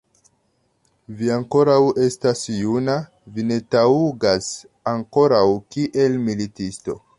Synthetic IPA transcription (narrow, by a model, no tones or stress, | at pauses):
viaŋko̞ɾawe̞stasjuna | vine̞tauɡas | aŋko̞ɾawkiʔe̞lmilitisto̞